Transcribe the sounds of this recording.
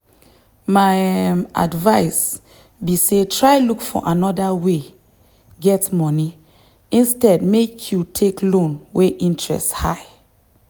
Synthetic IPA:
maja̰dvaɪs | bisetʰɹaɪlukfɔ̰ʔanɔdawe | ɡɛtmɔni | ĩnstɛd̚mekʰjutʰeklõnweʔĩntɹɛ̰stha̰ɪ

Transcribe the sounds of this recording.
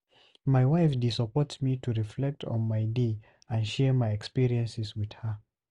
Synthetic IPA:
maɪwaɪfdisəpɔtsmitʰuɹiflɛk̚tʰɔ̰̃n̩maɪde | ə̃ndʃɛɹmaɪɛkspiɹiɛ̃nsɪswið̥hə

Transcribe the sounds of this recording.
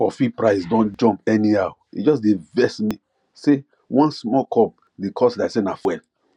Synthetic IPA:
fɔfipɹaɪsdɔ̃nd͡ʒɔ̃mpɛniaʊ | ḭd͡ʒɔs̬devɛsmi | se | wɔ̃nsmɔkʰɔp̚ | dekʰɔslasenafwɛl

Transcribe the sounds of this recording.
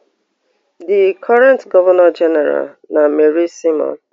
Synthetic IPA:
dikʰɔɹɛ̃ntɡɔvɔnad͡ʒɛnɛɾa̰l | nameɾisimɔ̰̃n

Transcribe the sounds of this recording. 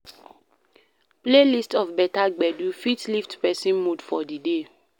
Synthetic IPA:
plelistɔfbɛtaɡ͡bɛdufitliftpɛsĩnmudfɔdide

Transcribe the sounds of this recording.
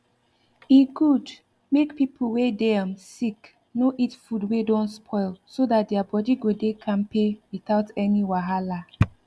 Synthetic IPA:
iɡud | mekpipʰl̩wedɛãmsik | noʔitfudwedɔ̃nspʰɔɪlsodat̚dɛabɔdiɡodekʰãnpewiθaʊtɛniwaɦala

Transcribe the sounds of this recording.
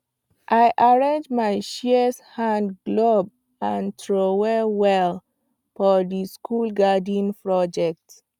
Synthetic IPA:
ʔajʔaɹẽnd͡ʒmajʃishãndɡlob̚ | ãntʰɹowɛwɛl | fɔdiskʰulɡadĩnpɹɔd͡ʒɛk̚t

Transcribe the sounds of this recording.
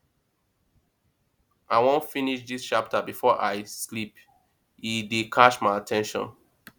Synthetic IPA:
ʔaɪwõfiniʃðist͡ʃap̚tʰabifɔʔaɪslip | idekʰaʃmaɪatʰɛ̃nʃɔ̰̃n

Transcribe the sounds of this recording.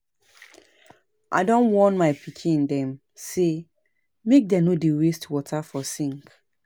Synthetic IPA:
ʔa̰dɔ̃nwɔ̃nmaɪpʰikʰĩndɛ̃m | se | mek̚dɛnodiɹestwɔtʰafɔsĩŋk

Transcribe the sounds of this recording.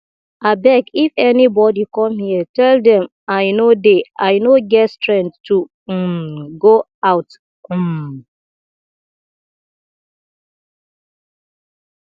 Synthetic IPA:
abɛkifɛnibɔdikɔmhiətɛldɛ̃m | aɪnodeaɪnoɡɛtstɹɛ̃ntːu | ɡo | aʊt | m̩

